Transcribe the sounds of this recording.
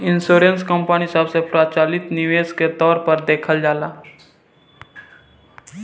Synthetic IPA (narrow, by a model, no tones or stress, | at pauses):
ɪnsoːɾẽnskəmpanisəbsepɾaːt͡ʃaːlɪt̪nɪʋeːsket̪ɔːɾpəɾd̪eːkʰəld͡ʒaːlaː